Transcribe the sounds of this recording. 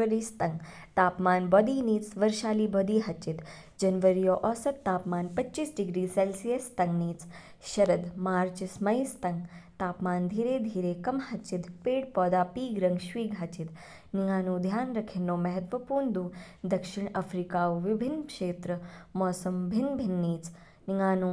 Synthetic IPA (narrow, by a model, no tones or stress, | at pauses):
əɾiːst̪ɐŋɡ | t̪aːpmaːnbɔːd̪iːniːt͡sʋɐɾʃaːliːbɔːd̪iːɦɐt͡ʃit̪ | d͡ʒɐnʋəɾijoːʔɔːsɐt̪ːaːpmaːnpɐt͡ʃiːsɖiɡɾiːselsijɐst̪ɐŋɡniːt͡s | ʃɐɾəd̪maːɾt͡ʃismɐjst̪ɐŋɡt̪aːpmaːnd̪ʱiːɾeːd̪ʱiːɾeːkɐmhɐt͡ʃit̪peːɽpɔːd̪aːpiːɡɾɐŋɡʃʋiːɡʱɦɐt͡ʃid̪ | niŋɡaːnuːd̪ʱjaːnɾɐkʰinːoːmɐɦɐt̪ʋɐpuːɾɳd̪uː | d̪ɐkʃiɳɐfɾikaːʋʋibʱinːkʂeːt̪ɾɐmɔːsɐmbʱinbʱinːiːt͡s | niŋɡaːnuː